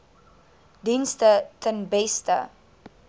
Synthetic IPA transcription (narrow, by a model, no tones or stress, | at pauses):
dinstətʰənbɛstə̰